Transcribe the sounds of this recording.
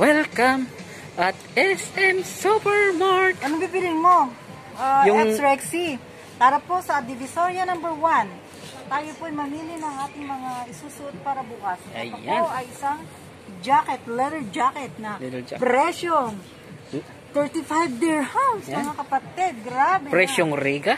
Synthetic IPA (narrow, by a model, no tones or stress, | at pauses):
wɛlkɐm | ʔɐt̪ʔɛsɛmsupɛɹmaɹkɐnɐbiːbɪlɪŋmo̞ | ʔaɛɾɛksi | p̪aːɾɐposɐd̪ɪvɪsoɹjɐnɐmbɛɹwan | t̪aːjopoɐjmɐhiːlɪnɐŋʔaːt̪ɪŋmɐŋaɪsuːsʊʔot̪̚paːɾɐbʊkɐsɐpoʔɐjɪsaŋ | d͡ʒaːkɛt̪lɛd̪ɛɹd͡ʒakɛt̪̚nɐpɾɛʃjoŋ | t̪ɛɹt̪ɪfajvdiɹhawnsmɐŋakɐpɐt̪ɛd̪̚ɡɾabɛpɾɛʃoŋɾiɡɐ